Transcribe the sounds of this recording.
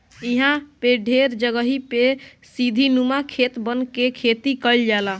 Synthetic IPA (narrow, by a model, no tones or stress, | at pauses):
iɦãpeɖʱeɾd͡ʒəɡəɦipe | sid̪ʱinumakʰet̪bənkekʰet̪ikəld͡ʒala